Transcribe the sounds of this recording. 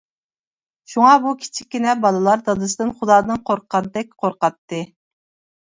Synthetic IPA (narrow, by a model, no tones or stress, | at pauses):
ʃuŋɑbukʲʰi̥t͡ʃʰi̥kʲːinɛbɑlˠɨlˠɑɾd̪ɑd̪ɨs̬ɨd̪ɨnχʊd̪ɑːd̪ɨnqʰoɾqʰɑnt̪ɛk̚ʲqʰoɾqɑt̪ːɨ